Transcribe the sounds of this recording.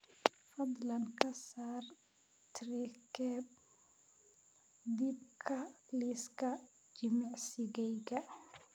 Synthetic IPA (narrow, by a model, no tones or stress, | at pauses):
fɐd̪lankasaːr | t̪ɾikɛb̚ | d̪ib̚kʰaliska | d͡ʒimɛʕsiɡɛjɡa